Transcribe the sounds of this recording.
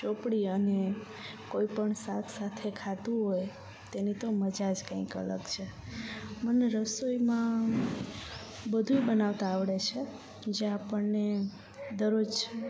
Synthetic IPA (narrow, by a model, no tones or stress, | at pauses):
t͡ʃopɽiəne | koipəɳsat̪ʰsat̪ʰekʰat̪ũɦoj | t̪enit̪oməd͡ʒad͡ʒkãikə̰lə̰ɡt͡ʃʰe | məneɾəsoimã | bəd̪ʱuibənaʋt̪aːʋɽet͡ʃʰe | d͡ʒeapəɳne | d̪əɾod͡ʒ